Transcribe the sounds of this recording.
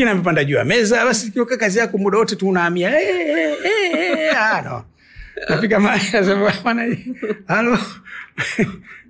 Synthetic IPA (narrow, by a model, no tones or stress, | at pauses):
kinamipandaʄuwa̰mɛzaɓasikiɔkakazijakumuɗawɔtɛtuunaːmiaɛɛanɔ̰ | nafikamaazɛmamanaialɔ